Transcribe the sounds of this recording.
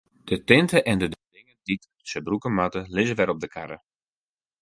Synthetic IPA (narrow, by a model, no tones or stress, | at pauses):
d̥ətɪntəʔɛndədədɪŋədit | səbrukəmatəlɪzəʋɛɾɔb̚dəkʰaɾə